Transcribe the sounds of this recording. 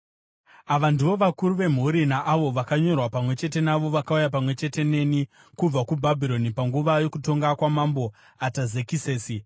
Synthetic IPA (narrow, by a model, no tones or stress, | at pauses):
aʋandiʋo̞ʋakuɾuʋe̞m̤uɾinaʔːʋo̞ʋakaɲo̞rwapamwe̞t͡ʃe̞t̬e̞naʋo̞ʋakaujap̬amwe̞t͡ʃe̞te̞ne̞ni | kub͡vakubʱabʱiɾo̞nipaŋɡuʋajo̞kuto̞ŋɡakwamambo̞ | atazekise̞ːsi